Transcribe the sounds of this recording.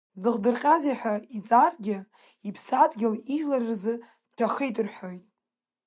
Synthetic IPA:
zɨχdɨrqʲʼaziħʷᶣait͡sʼarɡʲɪ | ipʰsadɡʲɪliʒlarɨrzɨ | tʰaχejtʼɨrħo̞jtʼ

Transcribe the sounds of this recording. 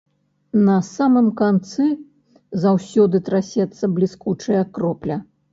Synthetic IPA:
nɐsamɨmkant̪sɨ | zawsʲɔd̪ɨt̪ɾasʲɛt̪sːɐblʲiskut͡ʂɐjɐkɾɔplʲɐ

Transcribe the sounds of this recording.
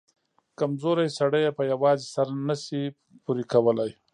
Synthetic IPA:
kamzoɾajsaɽəjepəjawɑzisaɾanasi | puɾikawəlaj

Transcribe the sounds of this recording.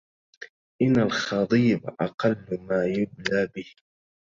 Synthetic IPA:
ʔɪnːalxɑd̪ˤiːbʔɑqɑlːmaːjʊblaːbɪh

